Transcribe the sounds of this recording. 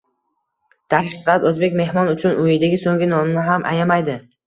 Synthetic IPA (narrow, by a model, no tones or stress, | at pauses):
t̪ʰahqɨqlapɵzbe̞kʲme̞hmɒnʊt͡ʃʰʊnʔʊjɪd̪aɡʲɪsoŋɡʲɪnɒmnɪɦamʔa̰jamajd̪ɪ